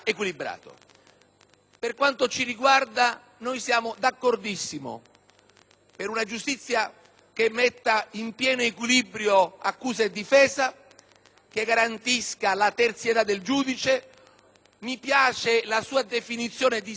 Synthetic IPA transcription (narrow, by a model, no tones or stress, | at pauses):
ekwilibɾa̰ːt̪o̰ | perkwant̪ot͡ʃiɾiɡward̪a | nojsjaːmʊd̪akːord̪isːimo̰ | peɾunad͡ʒust̪it̪sːja | k̟emːet̪ːaimpjɛːnoekwilibɾjoakːuːzaed̪ːifɛːza | keɡaɾant̪iskalat̪ert̪sjet̪ad̪ːeld͡ʒuːd̪it͡ʃe | mipjaːt͡ʃelasuːad̪efinit̪sːjɔːned̪i